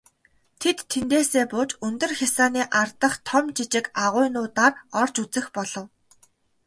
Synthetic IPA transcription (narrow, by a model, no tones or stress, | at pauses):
t̪ʰet̪ʰːent̪eːseːpʊːt͡ɕɵnt̪ɵ̆rxʲasaːniːʔart̪ə̆χt̪ʰɔmt͡ɕit͡ɕɪ̆kaʁʊːjnʊːt̪aːrɔr̥t͡ɕut͡sɘ̆xpɔɮɞ̆w